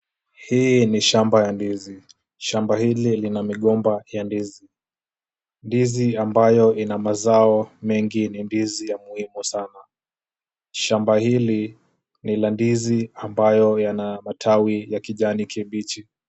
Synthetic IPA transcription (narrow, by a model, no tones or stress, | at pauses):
hiniʃambajandizi | ʃambahililinamiɠɔmbajandizi | ndiziambajɔʔinamazaɔmɛŋɡinindizijamuhimusana | ʃambahili | nilandiziambajɔjanamatʰawijakiʄanikʰɛɓit͡ʃi